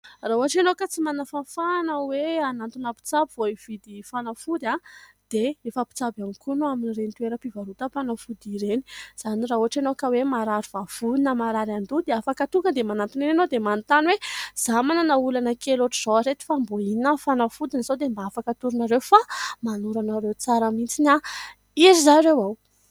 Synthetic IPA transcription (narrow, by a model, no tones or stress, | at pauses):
raɦuaʈ͡ʂenokət͡simanafafanəweanant̪unapi̥t͡sabivoiv̥id̪ifanafud̪a | d̪̥eefəpi̥t͡sabamikunaminirent̪weɾəpivaɾut̪afanafud̪iɾeni̥z̥aniraɦuɦaʈ͡ʂenokəwemaɾaɾivav̥uinəmaɾaɾand̪ud̪eafakət̪uŋɡəd̪emanant̪ininanod̪emanit̪anwez̥amanənaulanəkeloʈ͡ʂiz̥oaɾet̪i̥famboinafanafud̪inizad̪embaafakət̪uɾunaɾewfamanuɾanaɾewt͡saɾamint͡sina | izizajɾewaw